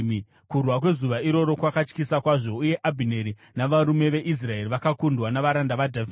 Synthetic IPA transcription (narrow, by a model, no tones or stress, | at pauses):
kurwakwe̞zuʋaiɾo̞ɾo̞kwakat͡ʃkisakwaʐo̞uje̞ʔabʱine̞ɾi | naʋaɾume̞ʋe̞ʔis̬rae̞riʋakakundwanaʋaɾandaʋadʱav